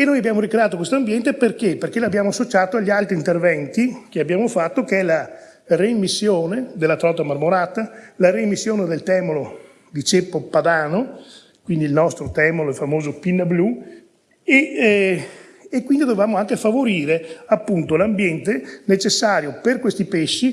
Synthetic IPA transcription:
enoːjabjaːmoɾikɾeaːt̪okwest̪oambjɛnt̪eperkeperkeloabːjaːmoasːot͡ʃaːt̪oaʎːialt̪ɾint̪ervɛnt̪ikeabjaːmofat̪ːokeɛla | remːisːjoːned̪elːat̪ɾɔt̪amarmoɾaːt̪alaɾeimːisːjoːned̪elt̪ɛːmolo | d̪it͡ʃepːopad̪aːno | kwind̪ilnɔst̪ɾot̪ɛːmoloɛlfamoːzopinːablu | e | kwind̪id̪ovevaːmoaŋkefavoɾiːɾeapːunt̪olambjɛnt̪enet͡ʃesːaːɾjoperkwest̪ipeʃːi

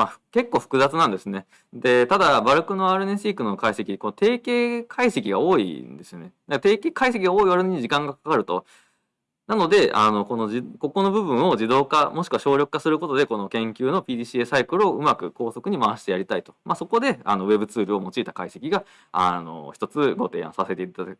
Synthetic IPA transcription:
mḁke̞kːo̞ːɸɯ̟̥kɯ̟zat͡sɨnãnd̪e̞sɨne̞ | d̪e̞t̪ad̪abaɾɯ̟kɯ̟no̞aːɾɯ̟nesiːkɯ̟nokaise̞kʲiko̞not̪e̞ːke̞ːkʰaise̞kʲiɡao̞ːḭnd̪e̞sɨjone̞d̪at̪e̞ːkeːkaisekʲiɡao̞ːiβaɾɯnɲ̟iʑikãŋɡakakaɾɯ̟t̪o̞ | nano̞d̪e̞a̰no̞ko̞no̞ʑiko̞ko̞no̞bɯ̟bɯ̟̃ɰ̃o̞d͡ʑid̪o̞ːkamo̞ɕi̥kɯβaɕo̞ːɾʲo̞kɯ̥kasɨɾɯ̟ko̞t̪o̞d̪e̞ko̞no̞kẽ̞ŋkʲɨːno̞pʲiːd̪iɕiesaikɯ̟ɾɯ̟oɯ̟makɯ̟ko̞ːso̞kɯ̟ɲ̟imaβaɕi̥t̪e̞jaɾʲit̪ait̪o̞̥maso̞ko̞d̪e̞a̰no̞βe̞bɯ̟t͡sɨːɾɯ̟o̞mo̞t͡ɕiːt̪ḁkaise̞kʲiɡa | ano̞̰çi̥t̪o̞t͡sɨɡo̞t̪ẽ̞̰ã̰sase̞t̪e̞it̪ad̪akɯ̥

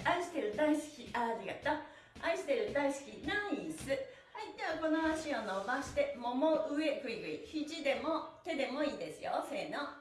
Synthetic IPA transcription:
aiɕi̥t̪e̞ɾɯ̟d̪aisɨ̥kʲiaɾʲiɡat̪a | aiɕi̥t̪e̞ɾɯ̟d̪aisɨ̥kʲinãĩsɨ | haid̪eβako̞no̞aɕiono̞baɕi̥t̪e̞mo̞moʔɯ̟e̞kɯ̟iɡɯ̟içiʑid̪e̞mo̞t̪e̞d̪e̞mo̞iːd̪e̞sɨjo̰se̞ːno

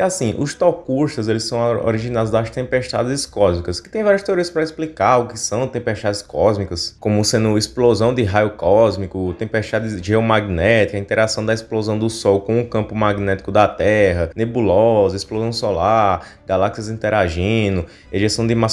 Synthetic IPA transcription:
iasĩʔʊst̪ɔkuʃt̪ɐzelɪsɐ̃w̃o̰ɾiʒĩnad̪ʊzd̪ɐst̪ẽmpeʃt̪a̰d̪ɪzɪskɔzmikɐskɪ̥t̪ẽj̃vaɾjɐst̪eoɾiɐspɾɐisplikaʊkɪsɐ̃w̃t̪ẽpeʃt̪ad̪ɪskɔzmikɐskõmʊsẽd̪ʊisplozɐ̃w̃d̪ɪɦajʊkɔzmikʊt̪ẽpeʃt̪ad̪ɪʒeɔmaɡinɛt̪i̥kɐĩnt̪ɛɾasɐ̃w̃d̪ɐisplozɐ̃w̃d̪ʊsɔwkõũkɐ̃pʊmaɡinɛt̪i̥kʊd̪ɐt̪ɛɦɐnebulɔzɐisplozɐ̃w̃sɔlaɾ | ɡalaksiɐzĩnt̪ɛɾaʒĩnʊ | eʒesɐ̃w̃d̪ɪma

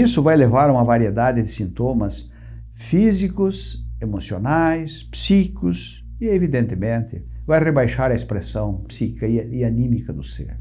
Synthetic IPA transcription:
isʊvajlevaɾũmɐvaɾied̪ad̪ɪd̪ɪsĩnt̪õmɐs | fizikʊsemosionajspsikʊs | ɪevid̪ẽnt̪ɪmẽnt̪ɪvajrebajʃaɾɐespɾesɐ̃w̃psikɐɪanĩmikɐd̪ʊsḛɾ

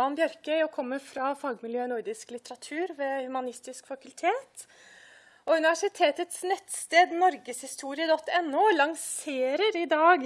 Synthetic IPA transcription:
ɑnbjœɾkœʏɔkʰɔmːəɾfɾɑfɑːɡmɪljøːnʊɾd̪ɪsklɪt̪əɾɑt̪ʰʉːɾʋeːhʉmɑnɪst̪ɪskfɑkʉlt̪ʰeːt̪ | ɔʉnɪʋæʂɪt̪ʰeːt̪ət̪snɛt̪st̪eːd̪nɔɾɡəshɪst̪ʰuːɾɪəd̪ɔt̪ːɛnːuːlɑŋseːɾəɾɪd̪ɑːɡ

